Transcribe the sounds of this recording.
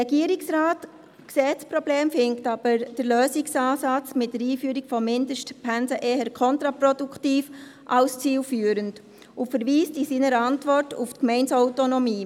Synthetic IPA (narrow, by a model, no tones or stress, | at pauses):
ɛɡiːəɾiksraːt | ksɛt͡spɾɔbleːmfɪŋktɑb̥əɾd̥əɾløːsɪksɑːsɑt͡smɪt̚dəɾiːfyːɾikfɔmɪndəʃtpʰɛnsəʔeːhəɾkʰɔntɾapɾɔdukʰtiːfʔɑlst͡siːlfyːəɾənd | ʊfəɾʋiːstisiːnəɾəɑntvɔrtuftkmɛɪnsɔʊtonɔmiː